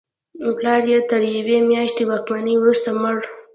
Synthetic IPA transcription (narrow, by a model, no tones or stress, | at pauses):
plɑɾjet̪əɾjawemjɑʃt̪ewɑkmanəjwɾust̪amʊɽ